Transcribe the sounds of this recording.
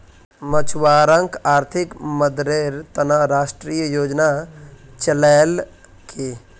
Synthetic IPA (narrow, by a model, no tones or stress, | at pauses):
mət͡ʃwaɾəŋkʰaːɾt̪ʰikməd̪ɾeɾt̪ənəɾasʈɾijəjoːd͡ʒnat͡ʃəlal | kʰe